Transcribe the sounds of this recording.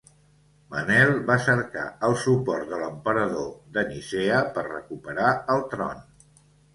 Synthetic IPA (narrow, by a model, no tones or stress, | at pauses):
mənɛlˠβasəɾka̰əlˠsupɔrt̪̚d̪ələmpəɾəðoðəniseəpərrə̰kupəɾaəlˠt̪ɾɔ̰n